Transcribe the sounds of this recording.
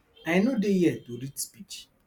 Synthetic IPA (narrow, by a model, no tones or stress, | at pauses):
ajnodejɛtuɾitspit͡ʃi̥